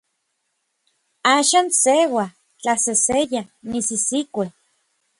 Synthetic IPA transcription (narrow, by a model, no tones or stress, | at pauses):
aːʃaːnsewa | t͡ɬasesejanisisikʷe